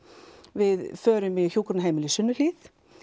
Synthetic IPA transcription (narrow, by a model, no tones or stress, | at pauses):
vɪðfœːɾʏmɪçjuːkɾʏnɦeːjmɪlisʏnːʏliθ